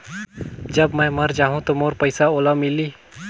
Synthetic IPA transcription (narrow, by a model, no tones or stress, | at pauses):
d͡ʒəbmə̃jməɾd͡ʒaːɦũt̪omoːɾpəɪsaoːlamiliː